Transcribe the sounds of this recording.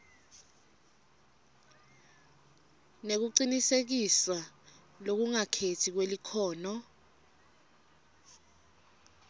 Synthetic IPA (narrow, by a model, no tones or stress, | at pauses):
nek̬uǀinisek̬isa | lok̬uŋakʰetʰik̬welikʰɔːnɔ